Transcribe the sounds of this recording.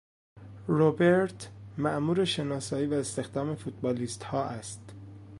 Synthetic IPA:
ɾobeɾt̪ʰmæʔmuːɾe̞ʃe̞nɒːsɒːiːvæest̪e̞xd̪ɒːme̞fut̪̚bɒːliːst̪hɒːʔæst̪

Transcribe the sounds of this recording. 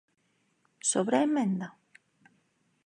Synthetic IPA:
soβɾaemẽnd̪a

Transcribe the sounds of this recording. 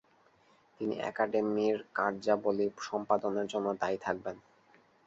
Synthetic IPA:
t̪inḭʔɛ̰kaɖemiɾkaɾd͡ʑaboliʃɔmpad̪oneɾd͡ʑonːod̪ajt̪ʰak̚ben

